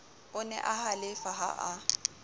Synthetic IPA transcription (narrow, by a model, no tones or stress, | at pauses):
ʊnɛ̰ʔahalɪfaɦa̰ʔa